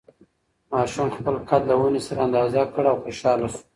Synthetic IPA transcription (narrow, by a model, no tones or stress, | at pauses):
mɑʃumxpəlkʰad̪lawunesaɾaand̪ɑzakəɽaawxoʃɑlasu̥